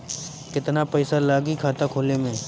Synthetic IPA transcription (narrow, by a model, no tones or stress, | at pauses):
kɪt̪napɛːsalaːɡikʰaːt̪akʰoːlemẽː